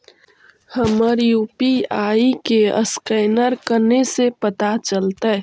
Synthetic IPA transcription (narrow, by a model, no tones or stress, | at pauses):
həməɾjuːpiaːikeə̰skəːnəɾkənesepət̪at͡ʃəlt̪ə